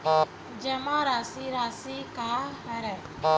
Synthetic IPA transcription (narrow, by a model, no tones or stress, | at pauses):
d͡ʒɛmãɾaːsiɾaːsikaɦɛɾɛ